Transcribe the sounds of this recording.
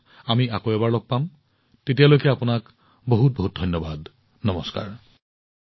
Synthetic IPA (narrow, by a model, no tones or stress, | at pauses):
amiakoɛbaɹlɔɡ̚pam | tetijalojkɛapʊnak | boɦut̚boɦut̚dʱɔjnːɔbad | nɔmɔska̰ɹ